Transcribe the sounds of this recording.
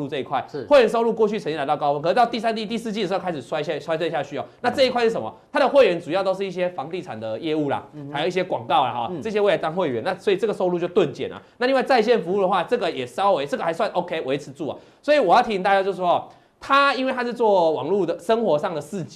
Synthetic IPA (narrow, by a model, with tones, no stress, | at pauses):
u˥˧t͡sɤ˥˧i˧˥kʰwa˥˩ɪ˩we˥˩ɥɛ˧˥ns̬o˥ʊlu˥˧kwɔ˥˧t͡ɕʰy˥˩t͡sʰt͡ɕji˥˧la˧˥ɑ˥˩˧kɑ˥ʊwə˦nkʰə˨˩ʂɻ̩˥˩ɑ˥˧ʊt̪i˥˧˩sa˥nt͡ɕ̪i˥˧t̪i˥˧sɹ̩˥˧t͡ɕi˥˩ə˨˩˧a˥ʂ̩˨˩swa˥ɪ˧ɕa˥˧˩swa˥t͡sə˥˧ɕja˥˩ɕy˧˥jɑ˥˩ʊna˥˧t͡sɤ˥˧i˧kwa˥˧ɪʂɻ̩˥˩ʂə˨˩mɐ̰˨˩t̪ʰa˥d̪ə˨xwe˥˩ɪɥɛ˧˥nt͡su˨˩jɑ˥˩ʊt̪o˥ʊʂ̬̩˥˩i˥˩ɕjɛ˥fɑ˧˦ŋt̪i˥˩t͡sʰa˨˩nd̪ə˩jɛ˥˧u˥˩la̰˨ha˧˥ɪjo˨˩ʊi˥˩ɕjɛ˥kwɑ̰˨˩ŋkɑ˥˩ʊla̰˩ɔ̰˨əɤ˥˧˩ɕjɛ˥˦we˥˩la˧ɪt͡sɑ˥˧ŋxwe˥˩ɪɥɛ̰˧˦na˥˩sɔ˧˥i˨t͡sɤ˥˩ɡə˩so˥ʊlu˥˧t͡ɕo˥˧ʊt̪wə˥˩nt͡ɕjɛ̰˨˩nɐ̰˩na˥˧i˥˧wa˥˧ɪt͡sa˥˧ɪɕ̬jɛ˥˩nfu˧˥u˥d̪ə˩xwa˥˩t͡sɤ˥˩ɡə˨jɛ˨˩ʂɑ˥ʊwe˧˦ɪt͡sɤ˥˩ɡə˩xa˧˥ɪswa˥˩nʔo˧˦ʊkʰe˥ɪwe˧˥ɪt͡s̩ʰ˧˦t͡su˥˩a̰˨˩ | swɔ˧˥i˨wɔ˨˩jɑ˥˩t̪ʰi˧t̪a˥˩t͡ɕja˥˧t͡ɕjo˧ʊʂ̬̩˥˩ʂwɔ˥˨ | t̪ʰa˥i˥nwe˥ɪt̪ʰa˥ʂɻ̩˥˧t͡swɔ˥˩wɑ̰˨˩ŋlu˥˩d̪ə˩ʂə˥nxwɔ˧˦ʂɑ˥˩ŋd̪ə˩sɹ̩˥˩t͡ɕ